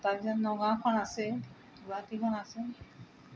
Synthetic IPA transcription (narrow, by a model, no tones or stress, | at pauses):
t̪azɔnːɔɡakʰɔnasɛ | duɾakikʰɔnase